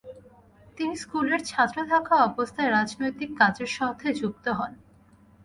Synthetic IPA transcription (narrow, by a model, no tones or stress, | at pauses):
t̪iniskuleɾt͡ɕʰat̪ːɾot̪ʰakaɔbost̪ʰaeɾad͡ʑnojt̪ikːad͡ʑeɾʃɔt̪ʰːed͡ʑuk̚t̪oɦɔn